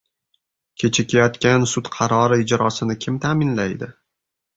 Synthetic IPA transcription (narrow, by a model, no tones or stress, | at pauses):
kʲʰe̞t͡ʃʰɪkʲʰajɒt̪kʲansʊt̪qʰɑɾɒɾɪɪd͡ʒɾɒsɪnɪkʲʰɪmt̪ʰamɪnlajd̪ɪ